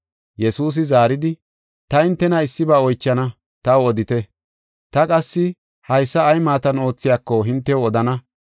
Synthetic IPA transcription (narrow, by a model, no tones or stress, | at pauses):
jɛsuːs̬ɪzaːɾɪd̪ɪ | t̪ɐhɪnt̪ːɛnɐɪsːɪbaːɔjt͡ʃːɐnɐ | t̪ɐwɔd̪ɪt̪ɛ | t̪ɐkʼɐsːɪ | hɐjsːɐːjmaːt̪ɐno̞ːt͡sːɪjaːkːɔɦɪnt̪ːɛɔd̪ɐnɐ